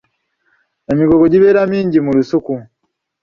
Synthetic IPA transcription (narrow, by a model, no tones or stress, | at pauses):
e̞miɡoɡoɟiβeːɾamiːɲɟimulusuku